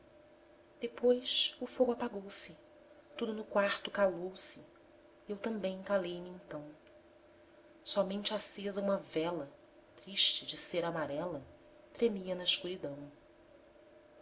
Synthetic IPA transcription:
d̪̥epojsʊfoɡapaɡowsɪ | t̪ud̪ʊnʊkwaɾt̪ʊkalowsɪ | ewt̪ɐ̃mbẽj̃kalejmɪẽnt̪ɐ̃w̃ | sɔmẽnt͡ʃɪasezɐũmɐvɛlɐ | t̪ɾiʃt͡ʃɪd͡ʒɪseɾamaɾɛlɐ | t̪ɾemiɐnɐɪʃkuɾid̪ɐ̃w̃

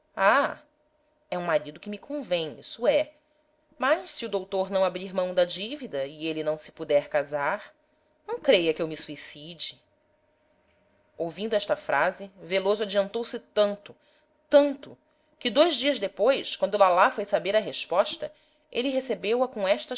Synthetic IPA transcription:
a | ɛũmaɾid̪ʊkɪmikʰõvẽɲisuɛ | mɐʃsiʊd̪owt̪oɾnɐ̃w̃abɾiɾmɐ̃w̃d̪ɐd͡ʒivid̪ɐielɪnɐ̃w̃sɪ̥pud̪ɛɾkazaɾ | nɐ̃w̃kɾejɐkewmisuisid͡ʒɪ | owvĩnd̪ʊɛʃt̪ɐfɾʔazɪvelozʊad͡ʒiɐ̃nt̪owsɪt̪ɐ̃nt̪ʊ | t̪ɐ̃nt̪ʊ | kɪd̪ojzd͡ʒiɐzd̪epojskwɐ̃nd̪ulalafojsabeɾɐɦeʃpɔʃt̪ɐ | elɪɦesebewɐkõɛʃt̪ɐ

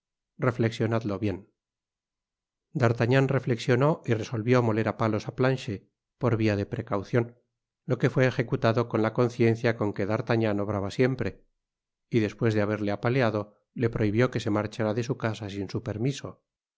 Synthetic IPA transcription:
re̞fle̞ksjo̞naðlo̞βje̞n | d̪aɾt̪aɲanre̞fle̞ksjo̞no̞ire̞so̞lβjo̞mo̞le̞ɾapalo̞saplanʃe | po̞ɾβiaðe̞pɾe̞kawθjo̞n | lo̞ke̞fwe̞ːxe̞kut̪aðo̞ko̞nlako̞n̟θje̞nθjako̞ŋke̞ðaɾt̪aɲãno̞β̞ɾaβasje̞mpɾe̞ | iðe̞spwe̞zðeaβ̞e̞ɾleapaleaðo̞ | le̞pɾo̞iβjo̞ke̞se̞maɾt͡ʃaɾaðe̞sukasasinsupe̞ɾmiso̞

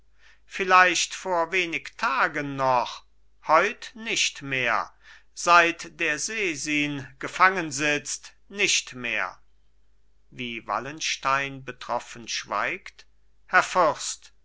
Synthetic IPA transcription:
fɪlaɪʃtfoːɐveːnɪktʰaːɡənːɔχ | hɔʏtnɪʃtmeːɐz̥aɪtd̥eːɐzeːziːnɡ̥əfaŋənzɪt͡st | nɪʃtmḛːɐ | viːva̰lənʃtaɪnbətʁ̥ɔfənʃv̥a̰ɪkt | hɛɐfʊst

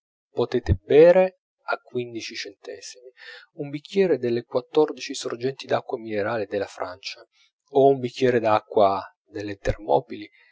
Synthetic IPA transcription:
pot̪eːt̪ebɛːɾe | akːwind̪it͡ʃit͡ʃɛnt̪ɛ̰ːz̥imi | umbikʰʲːjɛːɾed̪elːekwat̪ːɔrd̪it͡ʃisord͡ʒɛnt̪id̪akːwamineɾaːled̪elːafɾa̰nt͡ʃa | oumbikʰʲːjɛːɾed̪akːwa | d̪elːet̪ermɔ̰ːbili

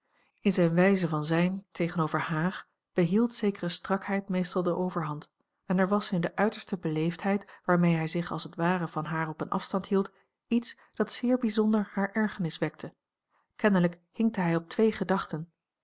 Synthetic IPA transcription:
ɪnzɛjnʋɛjzəvɑnzɛjntʰejχənowvəɹhaːχ | b̥əɦilˠtsejkərəstrɑkɦɛjtmejstɑlˠdəʔowvəɹɦɑnt | ɛnɛɹʋɑsɪndəʔœɥtəɹstəbəlejftɦɛjtʋaːɹmejɦɛjzɪχɑ̰lˠsətʋaːrəvɑnɦaːɹɔpənʔɑ̰fstɑntɦilˠt | its | d̥ɑtsɪːɹbizɔndəɹhaːɹʔɛɹχənɪsʋɛk̚tʰə | kɛnələkhɪŋk̚təɦɛjɔp̚tʋejχədɑχtən

